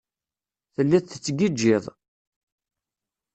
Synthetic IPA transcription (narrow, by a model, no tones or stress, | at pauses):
θəlːæθθət͡sːɡid͡ʒːɪðˤ